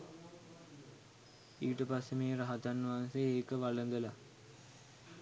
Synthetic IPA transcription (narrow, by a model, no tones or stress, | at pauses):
iːʈəpasːemeːɾaɦat̪anːʋɦanseeːkəʋalənd̪əla